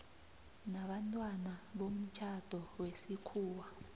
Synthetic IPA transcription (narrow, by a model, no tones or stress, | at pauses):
naɓantʼwanaɓom̩t͡ʃʰad̥ʱɔwesikʰuːwa